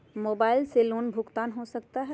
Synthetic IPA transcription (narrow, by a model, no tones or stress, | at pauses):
moːbaːɪlseloːnbʱʊkt̪aːnɦosɐk̚t̪aɦɛ